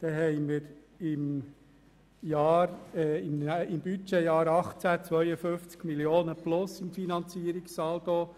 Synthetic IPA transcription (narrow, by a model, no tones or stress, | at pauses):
d̥̪ɛɦɛɪmɪɾ | ɪm | jɑːɾɛɪmɪmb̥yt͡ʃejɑːɾɑχt͡sæt͡sʋœʏəfʏnft͡skmilioːnəplʊsɪmfinɑnt͡siːəɾiksɑːldoː